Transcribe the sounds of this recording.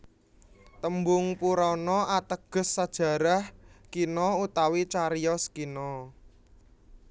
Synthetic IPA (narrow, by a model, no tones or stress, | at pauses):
t̪əmbʊŋpuɾɔnɔʔat̪əɡ̥ə̤sːad̥ʒ̥ä̤ɾahkinɔut̪awit͡ʃaɾijɔskinɔ